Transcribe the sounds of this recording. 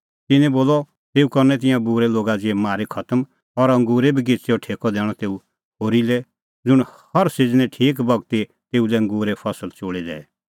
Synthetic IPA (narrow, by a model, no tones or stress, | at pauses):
t̪ɪnɛ̃boːlɔ | t̪eːukɐɾnɛ̃t̪̬ɪ̃jãbuːɾɛloːɡad͡ʒiɛmaːɾekʰɐt̪əm | ɔɾɐ̃ŋɡuːɾebʱiɡɪt͡seɔʈʰeːkɔd̪ɛːɽ̃ɔt̪eːu | ɦoːɾilɛ | d͡zʊɽ̃hɐɾsed͡znɛ̃ʈʰiːk̬bɐɡt̪i | t̪eːulɛɐ̃ŋɡuːɾepʰɐsəlt͡ʃoːɽid̪ɛ̰ː